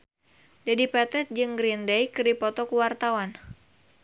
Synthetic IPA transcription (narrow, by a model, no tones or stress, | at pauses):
dadipɛt̪ɛt̪̚d͡ʒɨŋɡɾindɛjkɨrdipɔt̪ɔkuwart̪awan